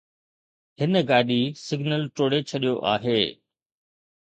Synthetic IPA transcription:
ɦɪnəɡaːɗisɪɡnəlʈoːɽet͡ɕʰɐɗijoʔa̰ːɦeː

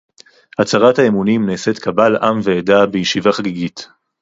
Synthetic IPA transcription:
hat͡saʁathaemunimnese̞tkabalʔamveedabejiʃivaχaɡiɡit

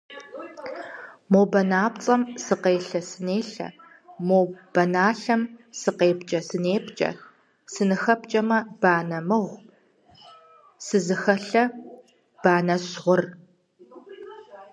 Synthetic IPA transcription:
moːbɐnaːpt͡sʼɐmsɨqeːɬɐsɨneːɬɐ̰ | moːb̥ɐnaːɬɐmsɨqeːbt͡ʃʼɐsɨneːbt͡ʃʼɐ̰ | sɨnɨxɐp̚t͡ʃʼɐmɐb̥aːnɐmɨʁʷ | sɨzɨxɐɬɐ | b̥aːnɐɕʁʷʊr

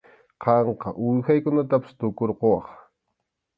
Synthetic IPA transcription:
qɑɴqɑʔʊjxajkʊnat̪apḁst̪okoɾqowɑχ

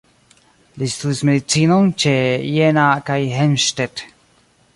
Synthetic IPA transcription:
list̪usmeðit͡sinoŋt͡ʃejenakajɦenʃt̪et̪

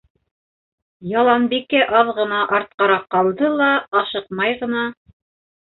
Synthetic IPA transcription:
jɑlˠɑnbikɘʔɑðʁɤ̆nɑʔɑɾt̪̚qɑɾɑqːɑlˠd̪ɤlˠɑːʃɤq̚mɑjʁɤ̆nɑ

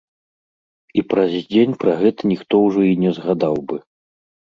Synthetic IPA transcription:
ipɾɐzʲd͡zʲenʲpɾaɣɛt̪ɐnʲixt̪ɔwʐɔinʲɛzɣad̪awbɨ

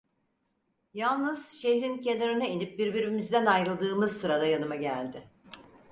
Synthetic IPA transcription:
jalˠnɯz̥ʃehɾince̞naɾɯnainip̚biɾbiɾimizd̪ænajɾɯlˠd̪ɯːmɯzsɯɾad̪ajanɯmaɟælʲd̪ɪ

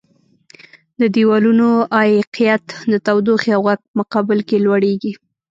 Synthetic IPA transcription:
d̪əd̪iwɑlunoʔɑjqijat̪d̪ət̪awd̪oxiawɣaɡ̚pəmʊqɑbɪlkelwaɽeɡi

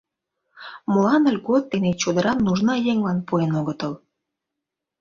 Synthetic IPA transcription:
molɑnə̆lʲɡot̪ːenet͡ɕod̪ə̆ɾɑnnːuʒnɑjeŋlɑnpuenoɣət̪əl

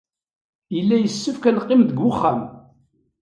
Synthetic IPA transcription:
jəlːæjəsːəfkælqːɪmðəɡːʊχːæm

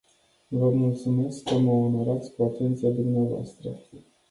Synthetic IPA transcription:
vəmult̪sume̞skːəməono̞ɾat̪sʲkuat̪e̞nt̪sijad̪umneavoa̰st̪ɾə

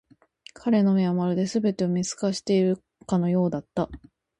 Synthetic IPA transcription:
kʰaɾe̞no̞miamaɾɯ̟d̪e̞sɨbe̞t̪e̞omʲit͡sɨ̥kaɕi̥t̪e̞iɾɯ̟ | kano̞jo̞ːd̪at̪ːa

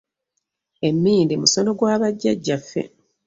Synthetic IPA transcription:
e̞mːiːndimuso̞no̞ɡwaːβaɟːaɟːafːe̞̰

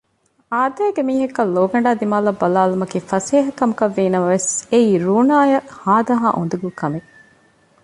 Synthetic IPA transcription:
aːd̪æːɡemiːɦɐkːɐlːoːɡɐɳɖaːd̪imaːlɐbːɐlaːlumɐkiːfɐseːɦɐkɐmukɐʋːiːnɐmɐʋeseiːɾuːnaːjɐhaːd̪ɐɦaːʔṵnd̪uɡukɐme

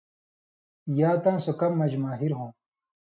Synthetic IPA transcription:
jaːt̪ãːsokɐmːɐd͡ʑmaːɦiɾɦõː

